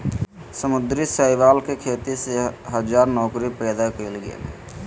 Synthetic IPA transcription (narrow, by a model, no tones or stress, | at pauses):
səmʊd̪ɾisəɪʋaːlkekʰeːt̪iseɦəd͡ʒaːɾnɔːkɾipɛːd̪akeːlɡḛl